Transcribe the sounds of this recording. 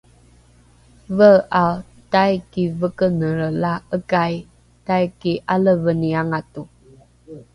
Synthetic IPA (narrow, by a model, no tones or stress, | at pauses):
vəʔa | tajkivəkənəɾəlaəkaj | tajkiʔaləvəniaŋatu